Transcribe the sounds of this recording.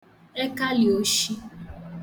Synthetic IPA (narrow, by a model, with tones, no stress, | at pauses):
ɛ˦ka˦li˨o˦ʃi˦